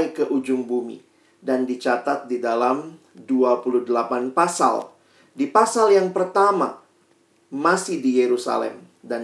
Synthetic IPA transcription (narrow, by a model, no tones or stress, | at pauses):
jkəʔud͡ʒʊŋbumḭ | dandit͡ʃat̪at̪̚didalam | duapuluhdəlapanpasa̰l | dipasaljaŋpərt̪ama̰ | masɪhdijeɾusa̰lɛ̰m | dan